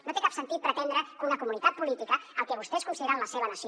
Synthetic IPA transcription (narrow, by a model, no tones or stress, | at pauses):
not̪ekapsənt̪it̪̚pɾət̪ɛnd̪ɾəunəkumunit̪at̪̚pulit̪ikəəlˠkɛβ̞ust̪ɛskunsiðeɾaəmləseβ̞ənəsi